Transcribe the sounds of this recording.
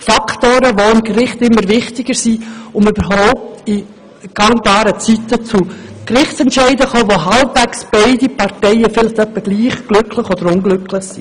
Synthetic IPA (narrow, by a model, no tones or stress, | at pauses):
fɑkʰt̪oːɾəʋoɪmɡɾɪχtɪmːəɾvɪχtɪɡ̥əɾsiʊmybəɾɦoʊp̚t̪i | ɡ̥ɑŋbɑːɾət͡sit̪ət͡sukrɪχtt͡sɛntʃɛɪdəχoːʋoɦɑlbvɛksb̥ɛɪdipɑrtɛɪəfɪlɪχt̪œpːəɡ̥liːχɡ̥lʏkʰlɪχɔd̥̪əɾʊnɡlʏkʰlɪχsi